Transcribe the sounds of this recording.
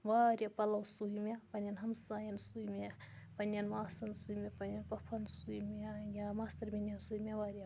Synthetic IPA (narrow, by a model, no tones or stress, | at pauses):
ʋaːɾjɐpɐlɐwsujmjɐpɐnʲɐnɦɐmsaːjɐnsujmʲɐ | pɐnɐnmaːsɐnsujmʲjɐpɐnjɐnpɐpʰɐnsujmɐjʲamaːst̪ɐɾmʲinɐsujmʲaʋaːɾja